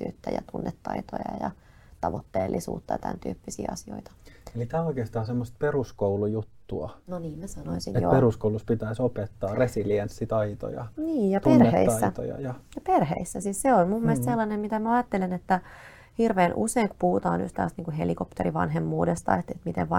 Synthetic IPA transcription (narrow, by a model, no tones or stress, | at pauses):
y̰ːt̪ːæ̰jɑ̰t̪unːet̪ːɑ̰it̪o̰jɑ̰jɑ̰ | t̪ɑʋot̪ːḛːlːʔisṵːt̪ːɑɑt̪æ̰nt̪y̰ːpːisḭːɑsio̰it̪ɑ̥elit̪æːoikeːst̪ɑːsemːost̪̚peruskoulujut̪ːuɑnoniːmmæsɑnoinsḭnetjo̰peruskouluspit̪æisopet̪ːɑːresiliensːit̪ɑit̪o̰jɑ̰niːjjɑp̪eenrːehḛisɑːæt̪o̰jɑ̰jɑjɑperhḛisːæsiːsseonmummːelest̪selːɑnemmit̪æmæɑjɑt̪ːelenet̪ːæ | hirʋeːnʔṵseiŋku̥puhut̪ɑːny̰st̪æːst̪niːŋkuhḛlikopt̪eriʋɑ̰nɦemːuːdest̪ɑ̰et̪et̪mit̪eʋʋɑ